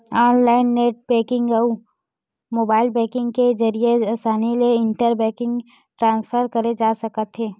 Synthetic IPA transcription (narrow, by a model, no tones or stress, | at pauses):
aːnlaːɪnːeːʈ̚bɛːkɪ̃ŋɡɐu | moːbaːɪlbɛːkɪ̃ŋɡkezɐɾieaːsaːnileɪɳʈəɾbɛːkɪ̃ŋɡ | ʈɾãːnsfʰəɾkɐɾed͡ʒaːsɐkət̪ɦeː